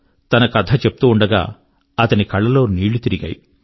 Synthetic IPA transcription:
t̪ɐnɐkɐt̪ʰɐt͡ʃepu̥t̪uːɳɖɐɡa̰ː | ɐt̪ɐnikɐɭːɐlo̞ːniːɭut̪iɾiɡa̰ːj

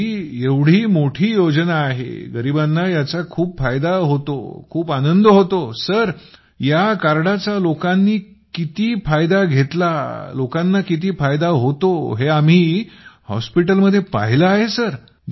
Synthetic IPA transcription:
ieʋɽ̤iːmoʈʰiːjod͡znaːɦḛɡəɾiːbanːajat͡sakʰuːpfajd̪aɦot̪o̰kʰuːpanənd̪əɦot̪osəɾ | jakaɾɽat͡salokanːiː | kit̪iːfajd̪aɡʱet̪lalokãnːakit̪iːfajd̪aɦot̪oɦeam̤iːhɔ̰spiʈəlməd̪ʱːjepa̰ɦiləaɦesəɾ

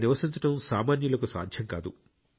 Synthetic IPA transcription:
niʋɐsiɲt͡ʃɐʈɐmsaːmaːnjulɐkusa̰ːd̪ʱjɐŋka̰ːd̪u

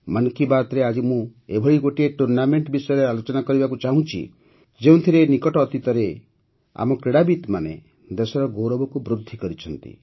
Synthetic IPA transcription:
mankibaɾt̪ɾead͡ʒimũebʱɔɭiɡoʈieʈuɾnameɳʈbisɔjɔɾealot͡ʃɔnakɔɾibakut͡ʃaɦũt͡ʃʰḭ | d͡ʒeũt̪ʰiɾenikɔʈɔːt̪it̪ɔɾe | a̰mɔkɾeɽabit̪manḛ | d̪esɔɾɔɡowɾɔbɔkubɾud̪ʱːikɔɾit͡ʃʰɔnt̪ḭ

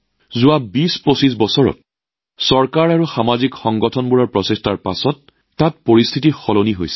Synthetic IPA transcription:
zʊwabisposis̬bɔsɔɹɔ̰t̚ | sɔɹkaɹaɹuxamazikxɔŋɡɔtʰɔnbuɹɔɹpɹɔsestʰaɹpa̰sɔtː | at̚poɹist̪ʰitixɔloniɦo̰jsɛ̥

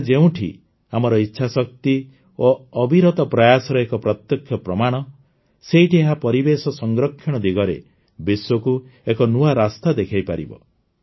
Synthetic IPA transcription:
d͡ʒeũʈʰḭ | amɔɾɔitːʃʰasɔk̚t̪i | oɔbʱiɾɔt̪ɔpɾajasɔɾɔekɔpɾɔt̪jɔkʰːjɔpɾɔmaɽ̃ɔ | seiʈieɦapɔɾibesɔsɔŋɡɾɔkʰːjɔɽ̃ɔd̪iɡɔɾḛ | biswɔkuekɔnuaɾast̪ad̪ekʰajpaɾḭbɔ̰

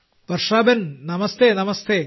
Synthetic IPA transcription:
pɐrʂaːbɐnnɐmɐst̪ʰenɐmɐst̪ʰe

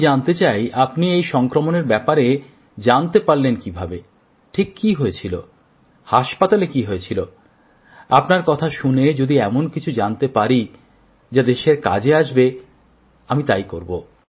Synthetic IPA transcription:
d͡ʑant̪et͡ɕajapniejʃɔŋkɾomoneɾbɛpaɾe | d͡ʑant̪epaɾlenkibʱabe | ʈʰikːiɦoet͡ɕʰilo̰ | haʃpat̪alekiɦoet͡ɕʰilo | a̰pnaɾkɔt̪ʰaʃuned͡ʑod̪iɛmonkit͡ɕʰud͡ʑant̪epaɾi | d͡ʑad̪eʃeɾka̰d͡ʑeaʃbe | amit̪ajkoɾbo̰

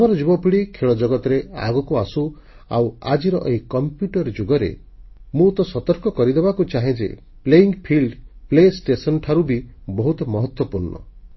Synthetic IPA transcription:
bɔɾɔd͡ʒubɔpiɽikʰeɭɔd͡ʒɔɡɔt̪ɔɾea̰ɡɔkuasu | a̰wa̰d͡ʒiɾɔʔeɦikɔmpjuʈɔɾd͡ʒoɡɔɾḛ | mũt̪ɔsɔt̪ɔɾkɔkɔɾid̪ebakut͡ʃaɦẽd͡ʒḛ | pleiŋɡpʰilɖplesʈesɔnɔʈʰaɾubibɔɦut̪ɔmɔɦɔt̪wɔpuɾɳɔ̰

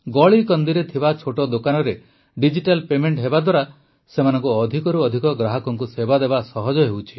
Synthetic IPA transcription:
ɡɔɭikɔnd̪iɾet̪ʰibat͡ʃʰoʈɔd̪okanɔɾe | ɖid͡ʒiʈalpemeɳʈɦebad̪waɾa | semanɔŋkuɔd̪ʱikɔɾuɔd̪ʱikɔɡɾaɦɔkɔŋkusebad̪ebasɔɦɔd͡ʒɔɦewt͡ʃʰi

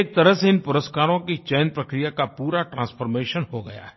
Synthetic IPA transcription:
k̚t̪ɐɾəɦseɪnpʊɾəskaːɾõkit͡ʃɛːnpɾɐkɾijakapuːɾaʈɾãːsfəɾmeːʃənɦoɡɐ̰ja̰ːɛ

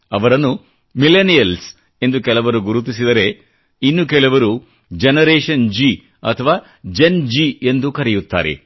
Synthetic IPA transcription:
ɐʋɐɾɐnːu | milenijɐls | e̞nd̪ukɛlɐʋɐɾuɡuɾut̪̬isid̪ɐɾe̞ | inːukɛlɐʋɐɾu | d͡ʒenɐɾeːʂɐnd͡ʒi | ɐ̰t̪ʰɐʋaː | d͡ʒend͡ʒiend̪ukɐɾɛjut̪ːa̰ːɾḛ

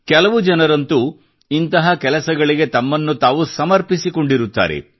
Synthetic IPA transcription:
kɛlɐʋud͡ʒɐnɐɾɐnt̪u | int̪ɐɦɐkɛlɐsɐɡɐɭiɡe̞t̪ɐmːɐnːut̪aːʋusɐmɐɾpisiko̞ɳɖiɾut̪ːa̰ːɾe̞̰

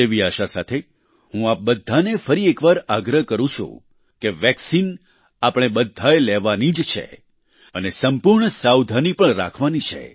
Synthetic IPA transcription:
eʋiaʃasat̪ʰe | hũap̚bəd̪ʱːanefəɾiekʋaɾaɡɾəɦkəɾũt͡ʃʰṵ̃ | keʋɛksin | apəɽ̃ebəd̪ʱːaelɛʋanid͡ʒt͡ʃʰḛ | ənesəmpuɾɳəsawd̪ʱanipəɾa̰kʰʋanit͡ʃʰḛ

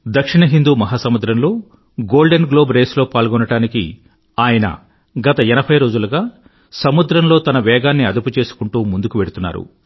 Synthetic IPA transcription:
d̪ɐkʂiɳɐɦind̪uːmɐɦaːsɐmud̪ɾɐmlo̞ː | ɡoːlɖenɡlo̞ːbɾe̞ːslo̞ːpaːlɡɔnɐɽaːniki | aːjɐnɐ̰ | ɡɐt̪ɐɛnɐbʰʱɐjɾo̞ːd͡ʒulɐɡaː | sɐmud̪ɾɐmlo̞ːt̪ɐnɐʋɛːɡaːnːiɐd̪uput͡ʃe̞ːsu̥kuɳʈuːmund̪ukuʋe̞ɽut̪unːa̰ːɾṵ

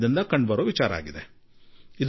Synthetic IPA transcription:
d̪ind̪ɐkɐɳɖbɐɾoːʋit͡ʃaːɾɐa̰ːɡid̪e | id̪

